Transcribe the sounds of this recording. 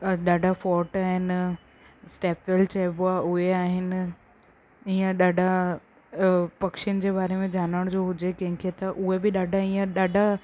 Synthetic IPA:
ɗaːɖʱafɔːɾʈaːɦɪnɪ̆ | sʈeːpelt͡ɕaːboaʔʊɦeaːɦɪnɪ̆ | iːə̃ɗaːɖʱa | pɐkʃɪənɪ̆d͡ʑeːbaːɾemẽd͡ʑaːnəɽ̃d͡ʑoɦʊd͡ʑekɐ̃ɦɪ̃kʰet̪ɐʔʊɦebɪɗaːɖʱaijə̃ɗaːɖʱa

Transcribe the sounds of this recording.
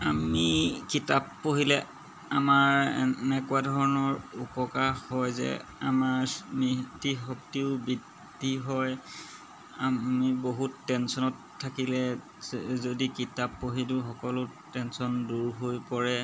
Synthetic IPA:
amikitapːoɦilɛ | amaɹɛnɛkuadʱɔɹɔnɔɹupɔkaxhɔjzɛ̰a̰maɹmitixɔk̚tiʊbidʱ | iɦɔj | amiboɦutːɛnsɔnɔtʰːakilɛ | zodikitapːoɦidʊxɔkɔlʊ | tɛnsɔnduɹɦojpɔɹɛ

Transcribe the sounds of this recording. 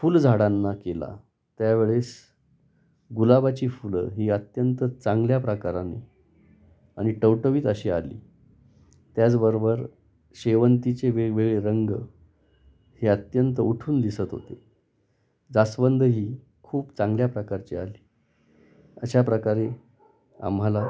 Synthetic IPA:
fuld͡zʱaɽanːakela̰ | t̪jaʋeɭes | ɡulabat͡ɕiːfulɦiːət̪jənt̪ət͡sãŋɡljapɾəkaɾane | aɽ̃iʈəwʈəʋiːt̪əɕiːalḭː | t̪jat͡sbəɾobəɾ | ɕeʋənt̪it͡seʋeʋeɡɭeɾəŋɡ | heət̪jənt̪əuʈʰuːnd̪isət̪ɦo̰t̪e | d͡zasbənd̪ʱəɦiː | kʰuːpt͡sãŋɡljapɾəkaɾt͡ɕia̰liː | əɕapɾəkaɾe | a̰mɦala

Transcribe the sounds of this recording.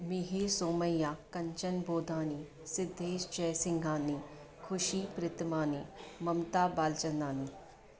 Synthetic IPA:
mɪɦiːsoːməjaːkəɲt͡ʃənboːd̪ʱãːniː | sɪd̪ʱːeːʃd͡ʒɛːsɪ̃ŋɡãːniː | kʰʊʃiːpɾɪt̪mãːniːməmt̪aːbaːlt͡ʃənaːniː

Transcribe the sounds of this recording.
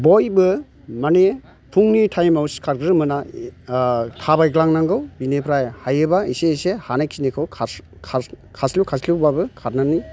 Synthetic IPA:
bɔjbɯ | mane | pʰuŋnitʰajmawskʰaɾɡɾɯmɯna | tʰabajɡlaŋnaŋɡɯwbinepʰɾajhajɯbaiseisehanaksinekʰɯwkʰ | kʰ | kʰaslukʰaslubbabɯkʰat̚nani

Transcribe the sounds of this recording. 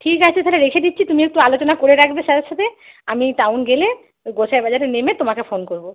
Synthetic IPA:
ʈʰikat͡ɕʰet̪ʰɛleɾekʰed̪itːɕʰit̪umiek̚ʈualot͡ɕonakoɾeɾakʰbeʃad̪aʃat̪ʰe | amiʈawnɡele | ɡosʰaebad͡ʑaɾenemet̪omakefonkoɾbo

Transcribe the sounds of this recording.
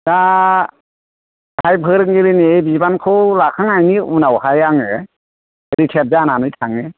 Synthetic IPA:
da | hajbʰʱɯɾɯŋɡiɾinebizbankʰɯwlakʰaŋajniunawhajaŋe | ɾitʰep̚zananɯjtʰaŋe

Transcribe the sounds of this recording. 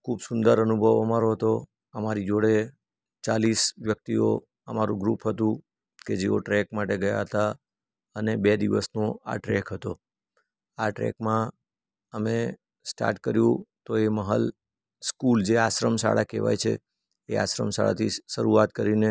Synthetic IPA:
kʰubsʊnd̪əɾənubʱəʋəmaɾoɦət̪o | əmaɾid͡ʒoɽe | t͡ʃalisʋjək̚t̪io̰ | əmaɾũɡɾupɦət̪ũ | ked͡ʒeoʈɾɛkmaʈeɡəja̰ɦət̪a | ənebed̪iʋəsnoa̰ʈɾɛkɦət̪o | aʈɾɛ̰kmã | əme | sʈa̰ɾʈkəɾjũt̪oeməɦə̰l | skuld͡ʒeaʃɾəmsa̰ɽakḛʋa̰jt͡ʃʰḛː | a̰ʃɾə̰msa̰ɭa̰t̪ʰiʃəɾuat̪kəɾine

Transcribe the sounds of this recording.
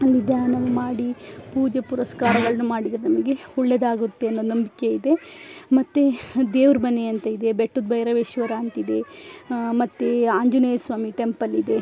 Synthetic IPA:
ɐlːid̪jaːnɐʋumaːɽipuːd͡ʒɐpuɾɐskaːɾɐɡɐɭɐnumaːɽid̪ɾenɐmɐɡe̞ɔɭːed̪aːɡut̪ːeɐnːonɐmbike̞id̪e̞mɐt̪ːed̪eːʋɾbɐneɐnt̪ɐid̪e̞beʈːud̪̚bʱɐjɾɐʋeːʃʋɐɾaːnt̪id̪e̞ | mɐt̪ːeaːɲd͡ʒuneːɐsʋaːmiʈe̞mpɐlːid̪e̞

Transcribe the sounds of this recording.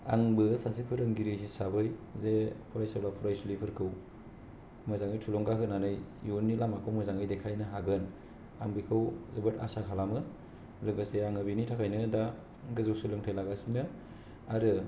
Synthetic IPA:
a̰ŋbɯsasipʰɯɾɯŋɡiɾɯsisabɯjzepʰuɾajsawlapʰuɾajsulipʰɯɾkʰɯw | mɯzaŋɯjtʰulɔŋɡakɯnanɯjjunːilamakʰɯwmɯzaŋɯjdekʰajnɯɦaɡɯn | aŋbikʰɯwzebɯta̰sakʰalamɯ | lɯɡɯseaŋɯbinitʰakʰajnɯda | ɡɯzɯwsɯlɯŋtʰajlaɡasinɯ | aɾɯ

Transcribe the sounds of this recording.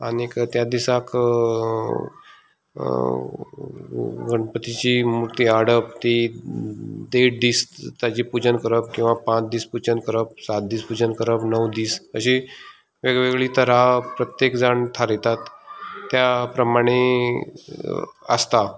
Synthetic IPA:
anikt̪jad̪isak | ɡʱəɳ̃pət̪it͡ɕimuɾt̪iːaɽəp̚t̪i | d̪eʈ̚d̪iːst̪jat͡ɕiːpud͡ʑənkəɾəp̚kĩw̃ʋapãt͡sd̪iːspud͡ʑənkəɾəp̚sat̪̚d̪iːspud͡ʑənkəɾəpnəwd̪iːsəɕi | ʋeɡʋeɡɭit̪əɾapɾət̪jekd͡zaɳt̪ʰaɾɛt̪at̪ːjapɾəmaɽ̃e | ə̰st̪a

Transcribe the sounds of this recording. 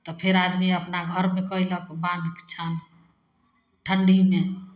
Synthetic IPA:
t̪ɔpʰeɾad̪miəpnaɡʱəɾmekəjləkbãnd̪kt͡ʃʰan | ʈʰəɳɖime

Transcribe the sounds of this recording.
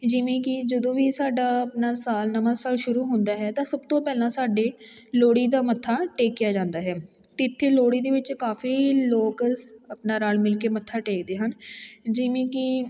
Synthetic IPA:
d͡ʒɪʋẽːkɪd͡ʒəd̪õːʋiːsaːɖaːəpnaːsaːlnəʋaːsaːlʃʊɾuːɦʊ̃nd̪aːɦɛːt̪ãːsəb̚t̪õːpɛːlãːsaːɖeː | loːɽiːd̪aːmət̪ʰːaːʈeːkːɪjaːd͡ʒãːnd̪aːɦɛːt̪ɪɪt̪ʰːeːloːɽiːd̪eːʋɪt͡ʃkaːfiːloːkəsəpnaːɾaːlmɪlkeːmət̪ʰːaːʈeːkd̪eːɦənd͡ʒɪʋẽːkɪ

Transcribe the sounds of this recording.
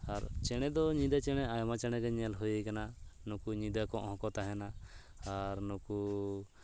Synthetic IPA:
aɾt͡ʃɛɽ̃ɛd̪ɔɲĩd̪at͡ʃɛɽ̃ɛajmat͡ʃɛɽ̃ɛɡɛɲɛlɦujikananukuɲĩd̪akɔ̃ʔhɔ̃kɔt̪aɦɛnaː | ɾnuku

